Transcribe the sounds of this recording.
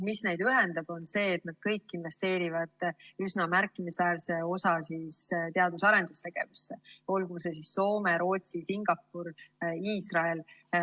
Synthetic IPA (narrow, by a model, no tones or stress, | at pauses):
misne̞jd̪̥yɦe̞nd̪ɑb̥o̞nse̞ːt̪nɑd̪̥̚kɤjkːinve̞st̪e̞ːɾivɑd̪̥ysnɑmærkːˑimisvæːɾse̞o̞sɑsist̪eɑd̪usɑɾe̞nd̪ust̪e̞ɡ̥e̞̰vusːe̞o̞lɡuse̞s̬isːo̞ːmeɾo̞ːt̪sisiŋɡ̥ɑpːuɾiːsrɑel